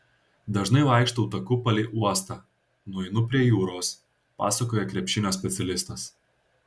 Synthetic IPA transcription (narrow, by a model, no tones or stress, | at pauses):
d̪ɐʒnɐɪʋɑˑɪkʃt̪ɐʊt̪ɐkʊpɐlʲɪːʔuɔst̪ɐ | nʊɛɪnʊp̬ʲɾʲiɛjuːɾoːs | pɑ̰ːsɐkoːjɛkɾʲɛpʲʃʲɪnʲoːs̬ʲpʲɛt̪sʲɛlʲɪst̪ɐs